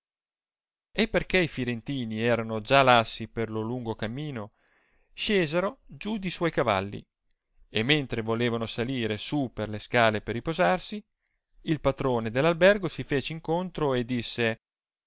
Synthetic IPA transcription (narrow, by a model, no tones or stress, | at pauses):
epːerkeifiɾent̪iːniɛːɾanod͡ʒalasːiperloluŋɡokamːiːno | ʃeːzeɾod͡ʒud̪iswɔjkava̰lːḭ | emːent̪ɾevoleːvanosaliːɾesuperleskaːleperːipozarsi | ilpat̪ɾoːned̪elːalbɛrɡosifeːt͡ʃeiŋkont̪ɾoed̪ːisːe